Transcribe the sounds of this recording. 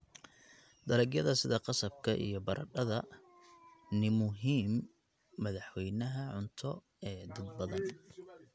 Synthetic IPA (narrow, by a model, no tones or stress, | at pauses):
d̪̥ɐɾɛɡjɐðɐsɪðɐqɑsɐb̚kʰɐʔḭjɞbɐɾʔɐ̰ɖɐðɐ | nɪmʊɦiːmː | ɐðɑħwɛjnɐɦɐʕʊnt̪ʰɔ | ɛːd̪ɐd̪̚bɐðɐn